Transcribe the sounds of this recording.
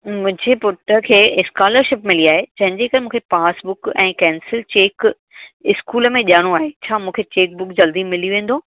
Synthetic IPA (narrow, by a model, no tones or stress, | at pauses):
mʊ̃ɦɪ̃ɲd͡ʑepʊʈəkʰeːɪskaːləɾʃɪpmɪliaːɦet͡ɕɐ̃ɦɪ̃ɲd͡ʑekɐɾemũːkʰepaːsbʊkɛ̃ːkɛːnsɪlt͡ɕeːk | ɪskuːləmẽʄaːɽ̃oaːɦet͡ɕʰaːmũːkʰet͡ɕeːk̚bʊkd͡ʑɐld̪imɪlijuʋẽːn̆d̪oː